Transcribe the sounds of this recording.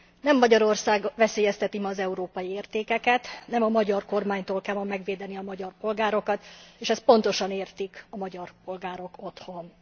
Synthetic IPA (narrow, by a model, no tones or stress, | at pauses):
nɛmːɒɟɒɾo̞rsaːɡʋɛseːjɛst̪ɛt̪imɛːzɛuɾoːpɒjieːrt̪eːkɛkɛt̪nɛmɒmɒɟɒrko̞rmaːɲt̪oːlkɛlmɒmːɛɡʋeːd̪ɛniɒmɒɟɒrpo̞lɡaːɾo̞kɒt̪eːʃɛst̪̚po̞nt̪o̞ʃɒneːrt̪ikɒmɒɟɒrpo̞lɡaːɾo̞ko̞t̪ho̞n